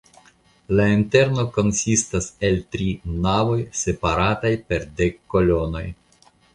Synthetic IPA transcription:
lainte̞ɾno̞ko̞nsistase̞ltɾinavo̞jse̞paɾatajpe̞ɾdekːo̞lo̞no̞j

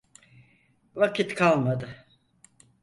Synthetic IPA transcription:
vakʰit̪kʰalˠmad̪ɯ

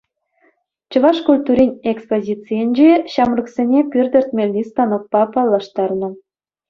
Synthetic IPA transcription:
t͡ɕɤ̆vɑʂkulʲt̪uɾʲinʲekspozʲit͡sijenʲd͡ʑeɕɑmrɤ̆ksʲenʲekʲyrʲd̪ʲɘ̆rt̪̚mʲelʲnʲist̪ɑnok̚pɑpɑlˠːɑʃt̪ɑrnɤ̆

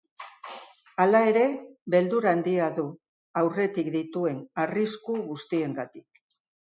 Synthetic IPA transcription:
alae̞ɾe̞βe̞ld̪uɾaːnd̪iaðu | awre̞t̪ikd̪it̪ue̞nariskuɣust̪ie̞ŋɡat̪ik̚

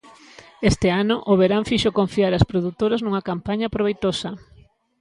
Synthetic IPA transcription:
est̪ɪanʊʔoβeɾaɱfiʃokoɱfiaɾaɐspɾoðut̪oɾaznuŋɐkampaɲɐpɾoβejt̪osɐ

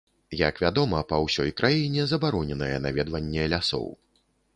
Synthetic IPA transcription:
ja̰kvʲad̪ɔmɐpɐwsʲɔjkɾʔajinʲɛzɐbaɾɔnʲɛnɐjɛ̰navʲɛd̪vɐnʲːɛlʲasɔ̰w

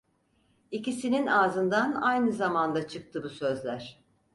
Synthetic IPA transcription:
icisininaːzɯnd̪anajnɯzamand̪at͡ʃʰɯk̚t̪ʰɯbusø̞zlʲæɾ̝̥

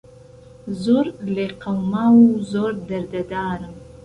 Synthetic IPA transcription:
zoɾleqawmɑwuzoɾd̪aɾd̪ad̪ɑːɾəm

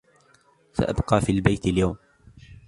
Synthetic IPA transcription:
sa̰ʔa̰bqɑːfiːlbajt̪ɪljawm

